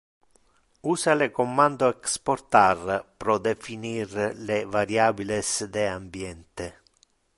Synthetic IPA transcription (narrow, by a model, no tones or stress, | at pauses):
uːsalekomːand̪oɛksport̪arpɾɔd̪efinirlevaɾjaːbilesd̪ɛambjɛnt̪ɪ